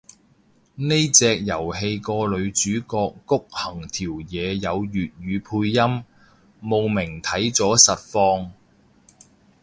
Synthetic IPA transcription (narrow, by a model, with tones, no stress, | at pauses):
ne˥jt͡sɛː˧k̚jɐ˨˩whe˧jkɔː˧lɵ˨˧ɥt͡ʃyː˨˥kɔː˧kːʊ˥k̚hɐ˨˩ŋt̪ʰiː˨˩wjɛː˨˧jɐ˨˧wjyː˨t̚ɥyː˨˧pʰuː˧jːɐ˥mː | o˨wmɪ˨˩ŋt̪ʰɐ˨˥jt͡sɔː˨˥sɐ˨t̚fɔː˧ŋ